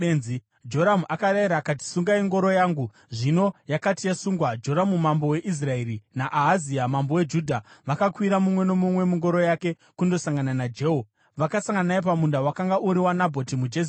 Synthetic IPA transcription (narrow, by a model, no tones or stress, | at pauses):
enzi | d͡ʒo̞ɾamuʔakaɾajiɾaːkat̬i̥suŋɡaiŋɡo̞ɾo̞jaːŋɡu | ʐino̞jakatijasuŋɡwad͡ʒo̞ɾamumambo̞we̞ʔis̬rae̞ɾinaʔaɦaziamambo̞we̞d͡ʒudʱaʋakakwiɾamumwe̞nomumwe̞muŋɡo̞ɾo̞jake̞ | kundo̞saŋɡananad͡ʒeːɦo | ʋakasaŋɡanaip̬amundawakaŋɡaʔuɾiwanabʱo̞timud͡ʒes